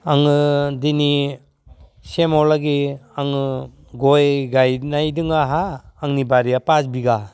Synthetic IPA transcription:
aŋɯdini | semɔlaɡiaŋɯ | ɡɔjɡajnajdɯŋaɦaːŋnibaɾijapasbiɡa

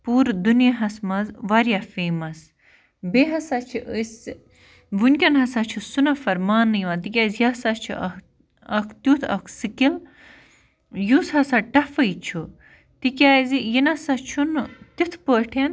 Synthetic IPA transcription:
puːɾd̪unjɐɦɐsmɐzʋɐɾjafeːmɐs | beɦɐsat͡ʃʰiʔəs | ʋunʲkʲɐnɦɐsaːt͡ʃʰusunɐfɐɾmaːnːɨjʋãt̪ikʲaːzjasat͡ʃʰṵɐ | ɐkʰt̪jut̪ʰɐ̰kʰsɨkil | jushɐsaʈɐfɐjt͡ʃʰu | t̪ikʲaːzijinɐsat͡ʃʰunt̪it̪ʰpəːʈʰɐn

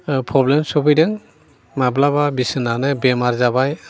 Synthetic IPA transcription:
pʰɔblɛmsɔbɯjdɯŋ | mablababisɯnanɛbɛmaɾzabaj

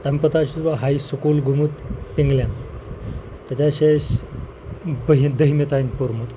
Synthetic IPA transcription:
t̪əmpət̪aɕusbaɦajsukuːlɡʱumut̪piŋɡlan | t̪ət̪ʲaɕeɕ | bəɦid̪əɦimet̪ainpoɾmut̪

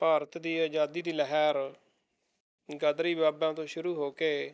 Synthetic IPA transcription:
paːɾət̪d̪iːaːd͡ʒaːd̪iːd̪iːləɦɛːɾ | ɡəd̪ɾiːbaːbãːt̪õːʃʊɾuːɦoːkeː

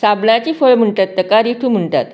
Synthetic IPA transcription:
sabnat͡ɕiːfəɭm̤əɳt̪at̪ːəkaɾiʈʰuːm̤əɳt̪a̰t̪

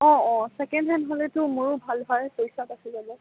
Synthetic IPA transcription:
ɔ̃ɔ̃sɛkɛndɦɛnɦolɛtʊmuɹubʱalbʱaɹɛpojsatakizalɛ

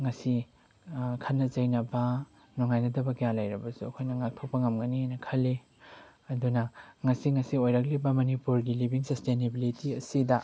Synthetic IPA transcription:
ŋɐsi | kʰɐnːɐt͡ʃɐjnɐbɐ | nɔŋajnɐdɐbɐkijalɐjɾɐbɐsuɐkʰojnɐŋak̚tʰok̚pɐŋɐmɡɐnihajnɐkʰɐlːe | ɐdunɐŋɐsiŋɐsiojɾɐk̬̚libɐmɐnipuɾɡilibiŋsɐstenebilitiɐsidɐ

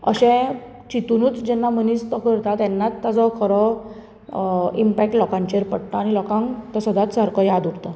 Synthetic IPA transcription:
ə̰ɕɛ̃ | t͡ɕit̪unuːt͡sd͡ʑɛnːamənit͡st̪ɔkəɾt̪at̪ɛnːat̪ːad͡zɔkʰəɾɔ | impɛk̚ʈlɔkãɲt͡ɕeɾpəɽt̪aːñilɔkãŋt̪ɔsəd̪at̪saɾkʰɔjad̪uɽt̪a

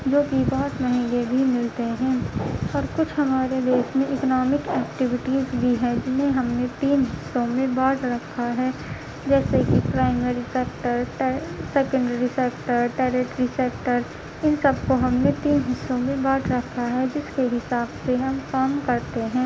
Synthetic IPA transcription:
d͡ʒoːkibɔɦʊt̪mɐɦĩːɡebʱimɪlt̪eɦɛ̃ːɔːɾkʊt͡ʃʰɦɐmaːɾed̪eːsmẽʔɪkənɔːmɪkɛːkʈɪʋɪʈizbʱiɦɛ̃d͡ʒɪnɦẽɦɐmnẽt̪iːnɦɪsːõmẽbaːʈɾɐkʰːaɦɛː | d͡ʒɛːsekipɾaːɪmeɾisɛk̚ʈəɾsɛːkə̃ɳɖəɾisɛːk̚ʈəɾʈɛːɾeʈɾisɛk̚ʈəɾ | ɪnsɐbkoɦɐmnẽt̪iːnɦɪsːõmẽbaːʈʰɾɐkʰːaɦɛd͡ʒɪskeɦɪsaːbseɦɐmkaːmkɐɾt̪eɦɛ̃ː

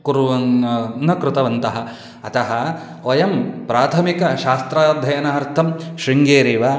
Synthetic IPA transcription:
kuɾuʋɐnːɐkɾut̪ɐʋɐnt̪ɐɦɐ̆ | ɐt̪ɐɦɐ̆ | ɐjɐmpɾaːt̪ʰɐmikɐʃaːst̪ɾaːd̪ʱjɐjɐnaɦɐɾt̪ʰɐmʃɾiŋɡeːɾiːʋɐ

